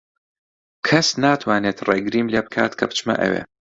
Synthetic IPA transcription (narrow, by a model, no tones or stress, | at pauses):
kʰɐsnaːt̪ʰwaːneːt̪reːɡɾiːmleːbɨkʰa̰ːt̪kʰɐbt͡ʃmɐ̰ʔɐ̰wḛː